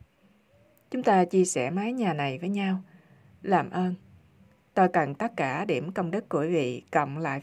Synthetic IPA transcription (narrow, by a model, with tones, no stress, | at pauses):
t͡ɕʊ˨˦ŋ͡mt̪aː˧t͡ɕi˧əsɛ˧˩maː˨˦jɲaː˨˩na˨˩jvəː˨˦jɲaː˧w | laː˨˩mʔəː˧n | t̪o˧jkə˨˩nt̪ə˦˥t̚kaː˧˩ɗi˧˩əmkə˧wŋ͡mɗɨ˦˥t̚ku˧˩vḭ˧˨kə̰˧˨wŋ͡mla̰ː˧˨j